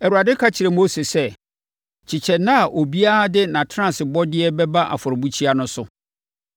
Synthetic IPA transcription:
ɛ˨wu˨ɾa˨dɪ˦kʰa˦t͡ɕʰɪ˨ɾɛ˨moː˦se˨sɛ˦ | t͡ɕʰɪ˨t͡ɕʰɛ˨nã˦a˨ʔo˨bi˦a˦dɪ˦nã˨tʰɾã˨sɪ˨bɔ˦dɪ˦ɛ˦bɛ˦ba˦ʔa̰˨fɔ˨ɾɪ˨bu˦t͡ɕʰi˦a˦nʊ̃˦sʊ˨

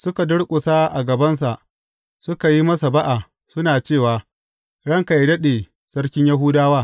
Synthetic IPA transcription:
sʊ˦ka˨dʊ˦ɽkʷʼʊ˨sa˦ʔa˨ɡɐ˨bɐ˦ns̬a˨ʔ | sʊ˦ka˨ji˦mɐ˦sa˨ba˦ʔa˨ | sʊ˦naː˨t͡ʃeː˦˨waː˨ | ɽɐ˦˨ŋka˨jdɐ˦ɗeː˨ | sɐ˦rkʲɪ˦ɲjɐ˦ɦʊː˦daː˦waː˦˨

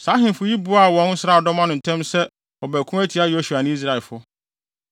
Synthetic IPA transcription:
sa˨˦ɦɪ̃˨n˨fʊ˨ji˦bu˨˦a˦˨wɔ̃˦n̩˦sɾa˦˨dɔ˦mã˦nʊ̃˨n̩˨tʰɛ̃˦msɛ˦ | ɔ˨bæ˨kʰũ˦æ˦tʰi˨˦a˦jo˦ɕu˨a˨nɪ̃˦i˦z̬ɾa˨fʊ˦

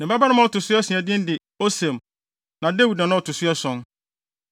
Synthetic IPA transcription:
nɪ̃˨ba˦ba˦nʊ̃˦mã˦˨tʊ˨sʊ˦ɛ˦sĩ˨ɛ˨dɪ̃˦n˦dɪ˨ | o˦sɛ̃˨m | nã˨de˦wu˨dnã˨nʊ̃˦ɔ˨tʰʊ˨sʊ˦ɛ˦sɔ̃˦n

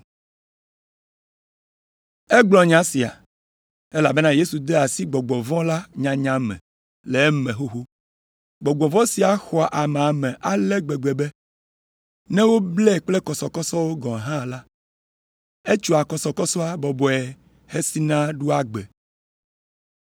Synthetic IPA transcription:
e˦ɡ͡blɔ̃˨ɲã˦si˨a̰˨ | e˦la˨be˦nã˦je˦su˨d̪e˦a˨si˦ɡ͡bɔ˨ɡ͡bɔ̃˨vɔ̃˦la˦ɲã˨ɲã˨mɛ̰̃˨ | le˨˦mɛ̃˨ɦo˦ɦo˦ | ɡ͡bɔ˨ɡ͡bɔ̃˨vɔ̃˦si˨a˨xɔ˨a˨ʔa˨me˨a˨mɛ̃˨ʔa˨lɛ˦ɡ͡be˨ɡ͡be˨bɛ˦ | nɛ̃˦wo˦blɛ˦˨k͡plɛ˦kɔ˨sɔ˨kɔ˦sɔ˦wo˦ɡɔ̃˨ɦã˦˨la˦ | e˦t͡ʃu˦a˨kɔ˨sɔ˨kɔ˦sɔ˦a˦bɔ˨bɔ˨ɛ˨ | he˦si˦nã˦ɖu˦a˨ɡ͡be˨

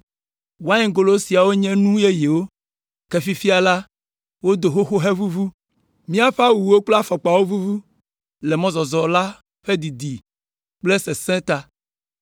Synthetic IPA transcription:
wo˨a˦ɲɛ̃˦ɡo˨lo˦si˨a˨wo˦ɲɛ̃˦nũ˦je˦je˨wo˦ | kɛ˨fi˦fi˦a˨la˦ | wo˦d̪o˨xo˦xo˦ɦe˦vu˦vu˦ | mĩ˦a˦ɸa˦wu˨˦o˦k͡ple˦a˦fɔ˨k͡pa˨wo˦vu˦vu˦ | lɛ˨mɔ̃˦zɔ˨zɔ˨la˦ | ɸe˦d̪i˨d̪i˨ | k͡ple˦se˨sɛ̃˦t̪a˦

